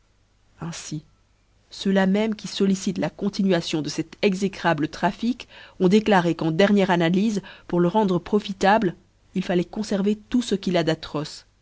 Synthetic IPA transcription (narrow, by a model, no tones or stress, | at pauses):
ɛ̃si | sølamɛmkʲisɔlisit̪lakɔ̃t̪inɥasjɔ̃d̪əsɛt̪ɛɡzekχablət̪χafikɔ̃d̪eklaʁekɑ̃d̪ɛʁnjɛʁanalizpuʁləʁɑ̃d̪ʁəpχɔfit̪abl | ilfalɛkɔ̃sɛʁvet̪usəkʲilad̪at̪χɔs